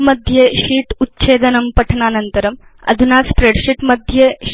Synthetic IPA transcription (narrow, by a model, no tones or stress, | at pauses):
mɐd̪ʱjɐʃiːʈutːt͡ʃeːd̪ɐnɐmpɐʈʰɐnaːnɐnt̪ɐɾɐmɐ̰d̪ʱunaːspɾeːɖɕiʈmɐd̪ʱjɐ